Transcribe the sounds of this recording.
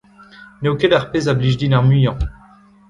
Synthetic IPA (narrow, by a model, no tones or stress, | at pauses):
neokedaʁpezabliʒd̪inaʁmyjɑ̃